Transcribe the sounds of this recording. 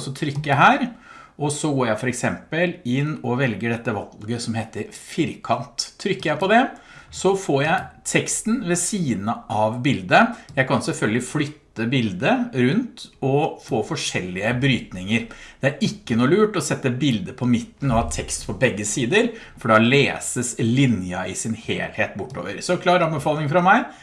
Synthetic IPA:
sɔt̪ʰɾʏkːəəɦæːɾɔsɔɡoːɾjæɪfɔɾɛksɛmpəlɪnːɔʋɛlɡəɖɛt̪ːəʋɑlɡəsɔmheːt̪əɾfɪɾkʰɑnt̪ʰːɾʏkːəjæɪpɔd̪ɛ | sɔfoːɾjæɪt̪ʰɛkst̪nʋɛsiːd̪nəʔɑʋbɪld̪əjæɪkʰɑnsɛlfœlɡəlɪflʏt̪ːəbɪld̪əɾʉnt̪ɔfoːfɔʂɛlːɪəbɾyːt̪nɪŋəɾd̪̥ɛæɾɪkːənuːlʉːʈɔsɛt̪ːəbɪld̪əpʰɔmɪt̪ːn̩ɔhɑːt̪ʰɛkst̪pʰɔbɛɡːəsiːd̪əɾ | fɔɖɛɑleːsəslɪnjɑɪsɪnhḛːlheːt̪bʊʈːo̰ːʋəɾsɔkʰlɑːɾəɑnbəfɑːlɪŋfɾɑmæɪ

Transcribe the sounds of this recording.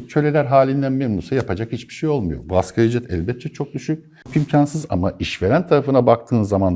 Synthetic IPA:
t͡ʃʰø̞lʲe̞lʲæɾɦaːlʲind̪ænmɛnmusajapʰad͡ʒakhit͡ʃbi̥ʃejo̞lˠmujo̞̰buaskaid͡ʒɛt̪ʰɛ̰lʲbɛt̪ːʰɛt͡ʃʰo̞k̚d̪yʃyc̚ʲ | kimcʰansɯza̰maʔiʃveɾænt̪ʰaɾafɯnabak̚t̪ʰɯːnzaman

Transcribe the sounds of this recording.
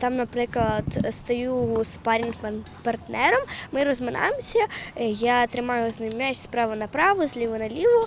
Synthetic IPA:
t̪ɑmnɐpɾɪklˠɐd̪st̪ɐjuspɑɾʲinn | pɐrt̪nɛɾɔmːɪɾɔzmɪnɑ̰emsʲɐjat̪ɾɪmɑjʊznɐmʲat͡ʃʲspɾɑʋʊnɐpɾɑʋʊzʲlʲiʋʊnɐlʲiʋʊ

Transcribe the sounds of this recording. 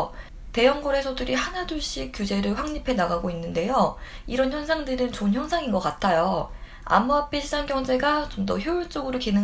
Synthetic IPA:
te̞jʌŋɡoɾe̞sʰodɯɾihanaduɭɕ͈ik͈jud͡ʑe̞ɾɯɭɸwaŋɲipʰe̞naɡaɡoinːɯnde̞joiɾʌnçjʌnsʰaŋdɯɾɯnt͡ɕonçjʌnsʰaŋinɡʌk͈atʰajo | a̰muapʰeɕʰid͡ʑanɡjʌŋd͡ʑe̞ɡat͡ɕomdʌçjouɭt͡ɕ͈oɡɯɾokinɯ

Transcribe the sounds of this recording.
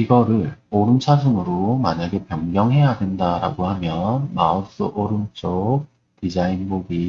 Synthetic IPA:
iɡʌɾɯɭoɾɯmt͡ɕʰasʰɯŋɯɾomaɲaɡe̞pjʌŋɡjʌŋɦe̞jadwe̞ndaɾa̰ɡohamjʌnmaʌs͈ɯʔoɾɯmt͡ɕ͈ok̚ | tid͡ʑainboɡi

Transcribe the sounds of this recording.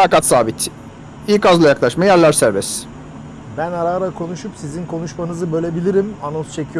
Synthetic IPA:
akat̪saːbit̪ʰ | ikazlˠajaklˠaʃmajæɾlʲæɾsæɾbɛs | bænaɾaːɾakʰo̞nuʃupsizinkʰo̞nuʃmanɯzɯbø̞lʲe̞bilʲiɾimanost͡ʃʰe̞cʰijo

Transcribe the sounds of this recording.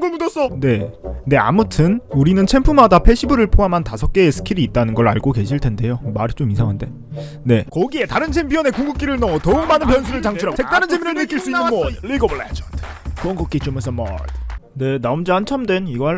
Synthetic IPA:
ɡomudʌs͈ʌne̞ne̞a̰mutʰɯnuɾinɯnt͡ɕʰe̞mpʰumadapʰe̞ɕʰibɯɾɯɭpʰoɦamɦantasʰʌk̚k͈e̞ːsʰɯ̥kʰiɾiːt̚t͈anɯnɡʌɾa̰ɭɡoke̞ɕʰiɭtʰe̞nde̞jomaɾit͡ɕomisʰaŋɦande̞ | ne̞kʌɡie̞taɾɯnt͡ɕʰempʰjʌne̞kuŋɡuk̚k͈iɾɯɭnʌŋʌtʌuk̚manɯnpjʌnsʰuɾɯɭt͡ɕaŋʰuɾɦaɡosʰek̚t͈aɾɯnt͡ɕʰemʰiɾɯɭnɯk͈iɭs͈uinɯɯmʌliɡoblet͡ɕʰtʰ | kɯʌnkʌk͈it͡ɕomes̬͈ʰʌmʌ̰dne̞naumd͡ʑiɦant͡ɕʰamdwe̞niɡʌha

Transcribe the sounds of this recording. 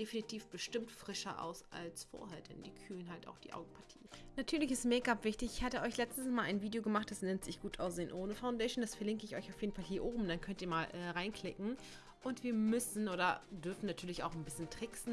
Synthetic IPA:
d̥efinitʰiːfb̥əʃtɪmtfʁ̥ɪʃɐʔa̰ʊsa̰lsfo̰ːɐheːɐdɛ̰ndiːkʰyːlənhalta̰ʊxd̥ḭːʔa̰ʊɡŋ̩pʰatʰi̥ːnatʰyːɐlɪçɪstmeːɐɡapv̥ɪçtɪçɪçhaːtəʔɔʏçlɛt͡stsmaːlʔaɪnviːdeoɡəmaχt̚d̥asnɛntz̥ɪçɡ̥uːtʔaʊs̬z̥eːənʔoːnəfaʊndɛɪʃnd̥asfɛɐlɪŋkəɪçɔʏçaʊfjeːdn̩falɦiːɐʔoːbm̩d̥ankʰœntiːɐmaːlʔɛːʁaɪnkʰl̥ɪkŋ̩ | ʔʊntv̥iːɐmʏsn̩oːdɐdʏɐfn̩natʰyːɐlɪça̰ʊxnbɪsçəntʁ̥ɪksn̩

